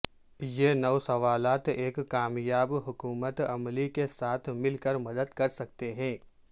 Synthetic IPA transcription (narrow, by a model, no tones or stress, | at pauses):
jenɐʋsɐʋaːlaːt̪eːkkːaːmjaːbɦʊkuːmət̪ɐmlikesaːt̪ʰmɪlkəɾmɐd̪əd̪kɐɾsɐk̚t̪eɦɛ̃ː